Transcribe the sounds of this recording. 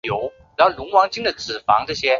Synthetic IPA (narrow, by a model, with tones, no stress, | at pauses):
jo˧˥ʊ˧˥ | lʊ˧˥ŋwɑ˧˥ŋt͡ɕi˥ŋd̪ə˨t͡sɹ̩˨˩fɑ̰˧˥ŋʈ͡ʂɤ˥˩ɕjɛ˥